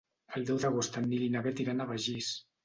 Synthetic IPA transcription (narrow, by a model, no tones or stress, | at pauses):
əlˠd̪ɛwðəɣost̪anːilinaβɛt̪iɾanaβaʒis